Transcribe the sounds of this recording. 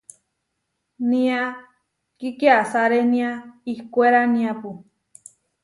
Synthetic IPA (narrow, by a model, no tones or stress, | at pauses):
nĩa | kikjasaɾenĩaihkʷeɾanĩãpu